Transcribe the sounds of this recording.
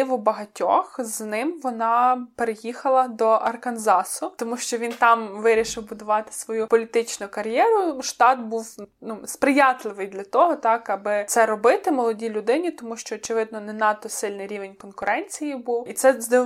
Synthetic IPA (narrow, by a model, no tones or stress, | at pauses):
ʋʊbɐɦɐtʲɔxznɪmʋɔnɑpeɾejixɐlˠɐd̪ɔʔɐrkɐnzɑsʊt̪ɔmuʃt͡ʃɔʋʲint̪ɑmʋɪɾʲiʃɪwbʊd̪ʊʋɑt̪ɪ̥sʋɔjupɔlʲit̪ɪt͡ʃnʊkɐɾjɛɾʊʃt̪ɑt̪buwnuspɾɪjɑt̪lˠɪʋɪjd̪lʲɐt̪ɔɦɔt̪ɑkɐbɪsɛɾɔbɪt̪ɪmɔlˠɔdʲilʲʊd̪ɪnʲit̪ɔmuʃt͡ʃɔːt͡ʃeʋɪd̪̚nɔnɛnɑt̪ːɔsɪlʲnɪjɾʲiʋenʲkɔnkʊɾɛnʲt͡sʲijibuwit̪sɛzd̪ɪ